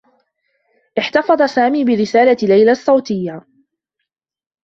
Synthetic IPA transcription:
ʔɪħt̪ɑfɑd̪ˤɑsaːmiːbɪɾɪsaːlalajlasˤːɑwt̪ɪjːa

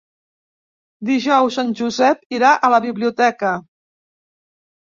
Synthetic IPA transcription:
d̪iʒɔwssanʲʒuzɛpiɾaʔələβiβliut̪ɛkə

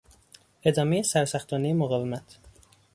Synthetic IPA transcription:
e̞d̪ɒːmejesæɾsæxt̪ʰɒːnejemoɣɒːve̞mæt̪ʰ

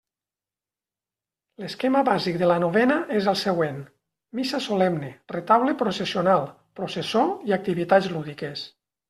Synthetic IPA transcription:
leskemaβazikd̪elanoβ̞ɛnaʔezəlˠseɣwen | misasolɛmneret̪aβlepɾosesionalˠ | pɾosesoiak̚t̪iβit̪ad͡zluðikes

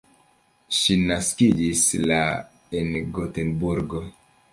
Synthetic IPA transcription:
ʃinaskid͡ʒisla | enɡotenbuɾɡo

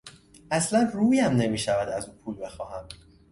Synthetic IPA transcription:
ʔæslænruːjæmne̞miːʃævæd̪æzuːpʰuːlbe̞xɒːhæm

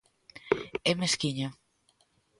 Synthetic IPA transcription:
ɛmeskiɲo

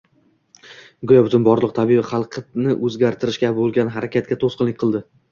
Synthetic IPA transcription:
ɡʊjabʊt̪ʊnbɒɾlˠɨq̚t̪ʰabibɪχɑlˠqʰnɪʔɵzɡʲaɾt̪ʰɪɾɪʃkʲabolˠɡʲanɦaɾakʲat̪̚kʲat̪ʰosqɨnlɪk̚ʲqʰɨlˠd̪ɪ

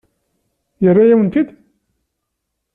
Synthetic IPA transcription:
jərːajæwənk̪id̪

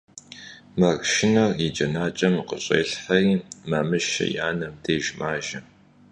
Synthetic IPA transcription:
mɐrʃɪnɐrid͡ʒɐnaːt͡ʃʼɐmiqəɕʼḛːɬħɐiːmaːmɨʃɐ̰jaːnɐmdeːʒmaːʒɐ

